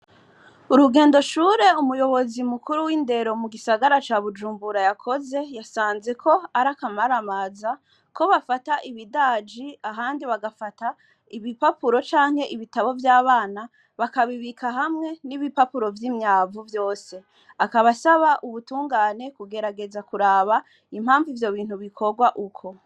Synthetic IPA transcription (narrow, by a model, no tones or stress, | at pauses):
uɾuɡe̞ːndoʃuːɾe̞umujo̞βo̞zimukuɾuwiːnde̞ɾo̞muɡisaɡaɾat͡ʃaβud͡ʒuːmbuɾajakʰo̞ze̞jasaːnze̞kʰo̞aɾakamaɾamaːza | ko̞βafataʔiβidaːd͡ʒiaɦaːndiβaɡafata | iβipapuɾo̞t͡ʃaːŋhe̞ʔiβitaβo̞vjaːβaːna | βakaβiβikʰaɦamŋe̞niβipapuɾo̞vjiːmɲaːvuvjo̞ːse̞ | akaβasaβaʔuβutuːŋɡaːne̞kuɡe̞ɾaɡe̞zakuɾaːβa | im̥haːɱvivjo̞βiːnhuβikʰo̞ɡwaʔukʰo̞